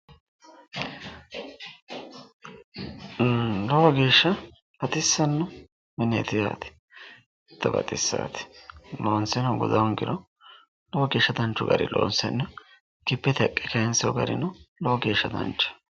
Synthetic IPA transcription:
lɔwɐɡe̞ːʃːɐ | b̥ɐt̪ɪsːɐnːʊ | mɛnḛt̪ɪja̰ːt̪ɪ̥ | t̪ːɐbɐ̰t̪ʼɪsːa̰ːt̪ɪ̥loːnsɛnɔɡʊd̪ɐwɔŋɡɪɾɔ | lɔwɐɡeːʃːɐd̪ɐnt͡ʃːʊɡɐ̰ɾɪ̰lo̰ːnsɛnːʊ | kɪpːɛt̪ɐkʼːɛkɐjɛnsɛɔɡɐ̰ɾɪ̰nʊlɔwɐɡe̞ːʃːɐd̪ɐ̰nt͡ʃːɐ̥

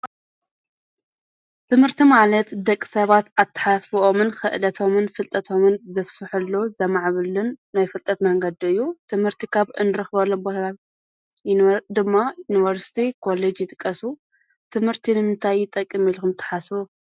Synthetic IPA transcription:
t̪ʰɨmhɨɾt̪ʰimalɐt̪d̪ɐkʼːi̥sɐβat̪at̪ʰːɨ̥ħasfiomɨnxɨʔlɐt̪ʰo̞mɨnfɨlt̪ʼɐt̪ʰo̞mɨnzɐsfɨħɨlːozɐmaʕβɨlːɨnːajfɨlt̪ʼɐt̪mɐŋɡɐd̪iɨjːut̪ʰɨmhɨɾt̪ʰikʰaβɨ̰nɨɾɨxβɐlːombot̪ʰɐt̪ʰat̪ | jd̪ɨmːajunivɐɾsi̥t̪ʰikʰo̞led͡ʒjɪt̪ʼɨkʼːɐsu | t̪ʰɨmhɨɾt̪ʰinɨmɨnt̪ʰajːɪt̪ʼɐkʼːɨmilkɨmt̪ʰːɐ̥ħasbu

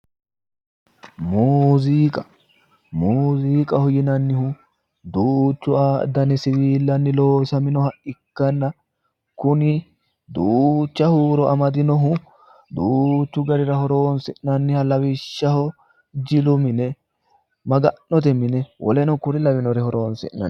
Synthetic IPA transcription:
muːziːkʼɐ̥ | muːziːkʼɐhɔjɪnɐnːɪhʊ | d̪uːt͡ʃːʊaːd̪ɐnɛsɪɾiːlːɐnːɪloːsɐmɪnɔhɐʔɪkːɐnːɐ | kʊnɪ | d̪uːt͡ʃːɐhuːɾɔʔɐmɐd̪ɪnɔɦʊ | d̪uːt͡ʃːʊɡɐɾɪɾɐhɔɾoːnsɪʔnɐnːɪhɐlɐwɪʃːɐhɔ | d͡ʒɪlʊmɪnɛ | mɐɡɐnːɔt̪̬ɛmɪnɛwʔɔ̰lɛnɔkʊɾɪlɐwɪnɔɾɛhɔɾo̞ːnsɪ̰ʔnɐ̰n

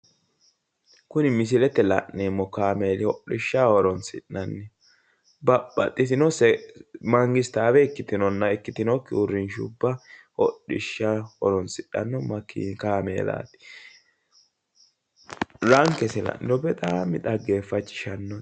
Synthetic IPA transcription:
kʊnɪmɪs̬ɪlɛt̪ːɛlɐ̰ʔneːmːɔkaːmeːlɪhɔɗɪʃːahɔɾɔnsɪɗːɐnːɛ | bɐpːɐt̪ʼːɪtɪnɔsɛmɐŋɡɪst̪aːbɛɪkːɪt̪ɪnɔnːɐɪkːɪt̪ɪnɔkːɪʊɾːɪnʃʊbːɐhɔ̰ɗɪ̰ʃːahɔɾɔnsɪɗɐ̰nːɔmɐkḭkaːmḛːla̰ːt̪ɪ̥ | ɾɐŋkɛsɛlɐ̰ʔɪ̰nɔbɛt̪ʼaːmɪt̪ɐɡe̞ːfːɐt͡ʃːɪ̥ʃɐnːɔ

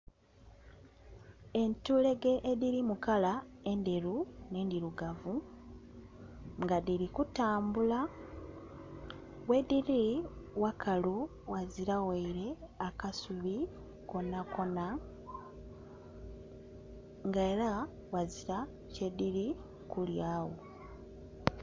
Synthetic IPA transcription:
e̞ntule̞ɡe̞ʔediɾimukalae̞nde̞ɾune̞ːndiɾuɡavu | ŋɡadiɾikutaːmbula | we̞diɾiwakʰalu | waziɾaweiɾe̞akasuβi | ko̞nako̞na | ŋɡaeɾa | waziɾa | ce̞diɾi | kuljaːwo

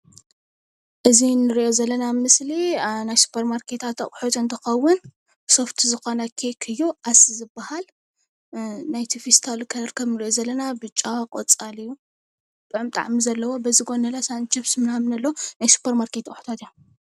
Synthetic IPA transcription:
ʔɨzinɨɾiʔo̞zɐlːɐnamɨslinajsu̥pʰɐɾmaɾkʰet̪ʰat̪aʔʼħut̪ɨnt̪ʰɐxɐwːʊn | soft̪ʰizɨxonakʰekʰɨjːuasizɨbːahal | najt̪ʰifist̪ʰalkʰɐlɐɾkʰɐβnɨɾiʔozɐlːɐnabɨt͡ʃʼːakʼo̰t͡sʼalɨjːu | t̪ʼɐʕmt̪ʼa̰ʕmizɐlːɐwo̞bɐzɨɡo̞nɐlasant͡ʃifsɨmnamnɐlːɐwonajsu̥pʰɐɾmaɾkʰet̪aʔʼħu̥t̪ʰat̪iju

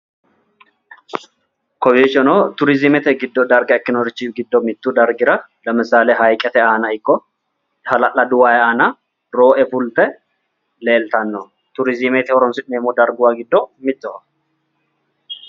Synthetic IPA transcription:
kɔbiːt͡ʃːɔnot̪ʊɾɪzɪmɛt̪ɛɡɪd̪ːɔd̪ɐɾɡɐɛkːɪnɔɾɪt͡ʃːiɡɪd̪ːɔmɪt̪ːud̪ɐɾɡɪɾɐ | lɐmɪsaːleɦɐjkʼːɛt̪ɛaːnɐɪkːɔ | hɐlɐʔɐd̪ʊwaːjɛaːnɐ | ɾoːʔɛfʊlt̪ɛ | le̞ːlt̪ɐnːɔ | t̪ʊɾɪzɪmɛt̪ɛhɔɾɔnsɪʔneːmɔd̪ɐɾɡʊwaɡɪd̪ːɔmɪt̪ːɔ

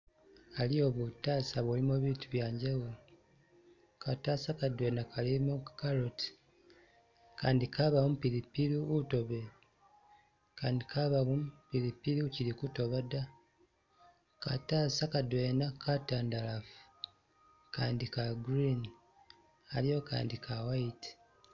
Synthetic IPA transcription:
alio̞βutaːsaβwolimoβiːtuβjaːɲɟaβulo | kataːsakadwe̞ːnakalimokaɾoti̥ | kaːndikaβamumupiɾipiɾuːto̞βe̞ | kaːndikʰaβaβumpiɾipiɾuciɾikuto̞βada | ka̰tasakadwe̞ːnakataːndalafu̥ | kaːndikaɡɾin | alijo̞ka̰ːndikʰawaiti̥

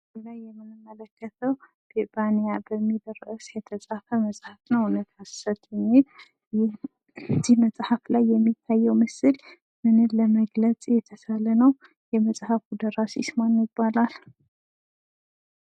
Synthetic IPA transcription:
zulajːɛmːɨnɨmːələkʰːət̪ʰəw | b̥ebanijabəmːid̪əɾʔɨsjɛt̪ʰəsʼafəməsʼhafnəwunət̪ʰassət̪ʰʼɨmɪ | zihməsʼhaflajːɛmːit̪ʰːajːɛwməsɨl | mɨnɨlləməɡlət͡sʼjɛt̪ʰəsalənəw | jɛməsʼhafud̪əɾasiɪsmanjɪbːalal

